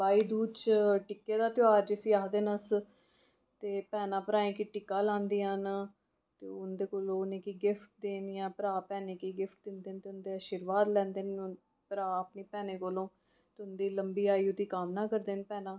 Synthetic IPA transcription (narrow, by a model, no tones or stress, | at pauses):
baːiːd̪uːt͡ʃʈɪkːeːd̪aːt̪ɪaːɾd͡ʒɪsiːaːɦd̪eːnəs | t̪eːpɛːnãːpəɾãːẽːkiːʈɪkaːlãːnd̪iːɦən | t̪eːʊnd̪eːkoːlõːʊnẽːkiːɡɪfʰʈ̚d̪eːniɛ̃ːpəɾaːpɛːnẽːkiːɡɪfʰʈ̚d̪ɪnd̪eːnt̪eːʊnd̪eːaːʃiːɾʋaːd̪lɛ̃ːnd̪eːn | pəɾaːəpneːpɛːneːkoːlõː | t̪eːʊnd̪iːləmbiːaːiːot̪iːkaːmnaːkəɾd̪eːnpɛːnãː